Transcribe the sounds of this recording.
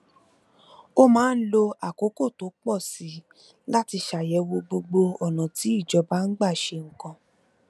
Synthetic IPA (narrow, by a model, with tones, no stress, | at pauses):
o˦mãː˨˦n̩˦lo˧a˨ko˨˦ko˦˨to˨˦k͡pɔ˦˨si˨˦ | la˦ti˧ʃa˨jɛ˨˦wo˧ɡ͡bo˧ɡ͡bo˧ɔ˨nã˨ti˨˦i˦˨d͡ʒɔ˧ba˦n̩˦ɡ͡ba˦˨ʃe˧ŋ̩˨kã˧